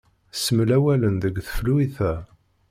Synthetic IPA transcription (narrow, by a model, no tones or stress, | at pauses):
səmlæwælənðəɡθə̥fluiθæ